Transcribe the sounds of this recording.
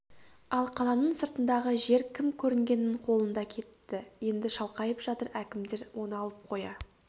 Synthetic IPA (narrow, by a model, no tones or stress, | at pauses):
ɑlˠqʰɑlˠɑnəɴsəɾt̪ənd̪ɑʁəʒe̞ɾkʲʰɪmkʲʰɵɾɪŋɡʲe̞nɪɴqʰo̞lˠənd̪ɑkʲʰe̞t̪ːɪje̞nd̪ɪʃɑlˠqɑjəpʒ̥ɑt̪əɾækʲɪmd̪e̞ɾwo̞nɑlˠəp̚qʰo̞jɑ